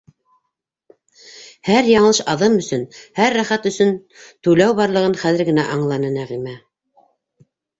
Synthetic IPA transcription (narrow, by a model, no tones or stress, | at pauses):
hæɾjɑɴɤlˠɤʃɑðɤmɵ̆sɵnhæɾːæχæt̪ɵ̆sɵn | t̪ʉlæwβɑɾlˠɤ̆ʁɤnχæðɘ̆ɾɡɘ̆næʔɑɴlˠɑnɤnæʁimæ